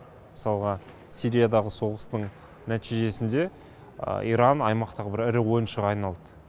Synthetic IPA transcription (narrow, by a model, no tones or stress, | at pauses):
məsɑlˠʁɑ | siɾijad̪ɑʁəso̞ʁəst̪əɴ | næt̪ijʒe̞sɪnd̪e̞̰ | ḭjɾɑnɑjmɑq̚t̪ɑʁəbɪɾɪɾɪwo̞jənʃəʁɑɑjnɑlˠd̪ə